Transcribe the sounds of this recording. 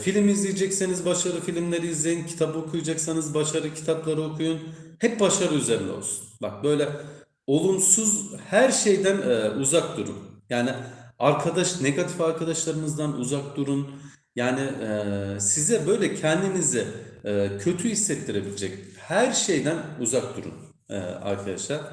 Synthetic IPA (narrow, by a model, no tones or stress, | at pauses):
filʲimizlʲijed͡ʒɛcsenizbaʃaɾɯfilʲimlʲeɾiizlʲejincʰi̥t̪ʰabɯokʰujad͡ʒaksanɯzbaʃaɾɯcʰi̥t̪ʰaplˠaɾɯo̞kʰujunhɛp̚baʃaɾɯyze̞ɾind̪ɛ̰o̰lˠsu̥nbak̚bøjlʲɛ | o̞lˠumsuzhæɾʃe̞jd̪ænːuzak̚d̪uɾṵnjaːnɪaɾkʰad̪aʃne̞ɡat̪ʰifaɾkʰad̪aʃlˠaɾɯmɯzd̪anṵzak̚d̪uɾun | jaːnɪ | sizɛbø̞jlʲɛcʰɛnd̪inizɪɛːcʰø̞t̪ʰyhisːɛt̪lːʲiɾe̞bilʲid͡ʒɛchæɾʃe̞jd̪ænuzak̚d̪uɾṵn | ɛ̰a̰ɾkʰad̪aʃlˠaɾ